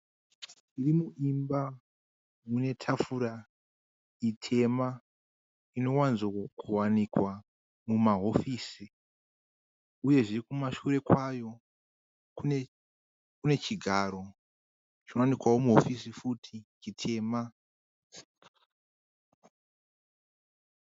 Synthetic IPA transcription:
irimuʔimba | mune̞tʰafuɾa | itʰe̞ma | ino̞wanzkʰuwanikwa | mumaɦo̞fiːsi | uje̞ʐirikumaʃuɾe̞kwajo̞ | kune | kune̞t͡ʃiɡʱaɾo̞ | t͡ʃinowanikwawo̞muɦo̞fisifutʰit͡ʃitʰe̞ːma

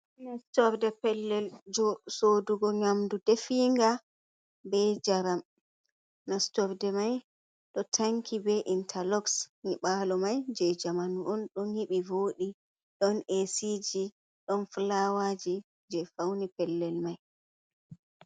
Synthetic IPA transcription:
nastɔfdɛpɛlːɛld͡ʒɔsoduɡɔɲamdudefiŋɡa | bɛd͡ʒaɾam | nastɔɾdɛmaj | ɗɔtʰaŋkʰibɛʔintʰalɔksniɓalɔmajd͡ʒɛd͡ʒamanʔɔnɗɔnhiɓivoːɗi | ɗɔnesid͡ʒi | ɗɔnflawad͡ʒi | d͡ʒɛfawnipɛlːɛlmaj

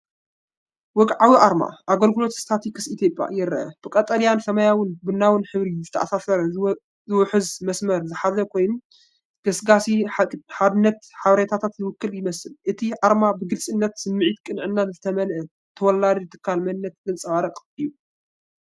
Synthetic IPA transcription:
wɔkʼʕawiʔaɾma̰ʔaɡɐlɡɨlo̞t̪st̪ʰat̪ʰikʰɨsʔit̪ʰje̞pʼja̰jɪɾːɐʔɐ̰b̥ɨkʼɐt̪ʼɐlijansɐmajawʊnbɨnːawɨnħɨβɾizɨt̪ʰɐʔasasɐɾɐ | zɨwʊħɨzmɐsmɐɾzɨħazɐkʰo̞jnum | ɡ̥ɐsɡasiħad̪ɨnːɐt̪ħaβɾet̪ʰat̪ʰat̪jɨwɨkːɨljɪmɐsɨlʔɨt̪ʰiʔaɾmabɨɡɨlsʼɨnːɐt̪sɨmːɨʕit̪kʼɨnʕɨnːazɨt̪ʰɐmɐlʔɐ | t̪ʰɐwɔlːad̪ɨt̪ʰɨ̥kʰːalmɐnnːɐt̪̚ɡɨnt͡sʼɐwaɾɐkʼɨjːu

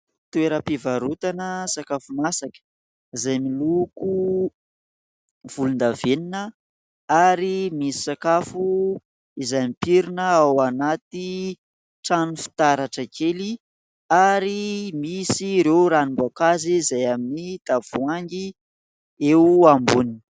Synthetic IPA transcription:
t̪ueɾəpivaɾut̪anəsakafumasakə̥ | izajmiluku | v̥ulund̪aveninə | aɾimisi̥sakafu | izajmipiɾinəawanat̪i | ʈ͡ʂanufi̥t̪aɾaʈ͡ʂəkʰeli | aɾimisiɾewɾanimbakazizajaminit̪av̥uaŋɡi | ewambuninə̥

